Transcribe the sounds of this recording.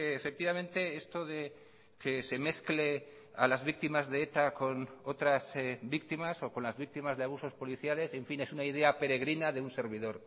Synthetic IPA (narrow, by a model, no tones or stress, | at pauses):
eːfe̞k̚t̪iβamẽ̞nt̪e̞e̞st̪o̞ðe̞ | kese̞me̞θkle | alazβik̚t̪imazðe̞et̪ako̞no̞t̪ɾasbikt̪imaso̞ko̞nlazβik̚t̪imazðeaβ̞uso̞spo̞liθjale̞se̞ɱfine̞sunaiðe̞ape̞ɾe̞ɣ̞ɾinaðeunse̞ɾβ̞iðoɾ